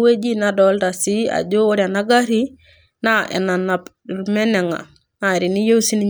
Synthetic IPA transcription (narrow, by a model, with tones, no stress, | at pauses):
we˦d͡ʒi˦nadolda˨si˦a̰˨ɟo˦o˦ɾia˨na˦ɡa˦ɾi˦ | na˦ḛ˨na˨na˨p | ɾme˦ne˨ŋa̰˨ | na˨e˨ɾi˨ni˦jo˦si˦ni˦